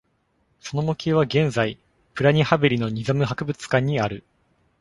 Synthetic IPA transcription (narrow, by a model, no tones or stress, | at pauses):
so̞no̞mokʲeβ̞aɡẽ̞nzai | pɯ̟ɾaɲ̟ʲihabɯɾʲino̞ɲ̟izamɯ̟ɦakɯ̟bɯ̟t͡sɨ̥kãɲ̟ːiaɾɯ̟